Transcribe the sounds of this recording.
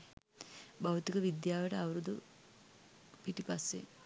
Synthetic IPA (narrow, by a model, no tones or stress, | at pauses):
bawt̪ikɐʋid̪jaːʋɐʈəawɐɾud̪u | piʈipasːe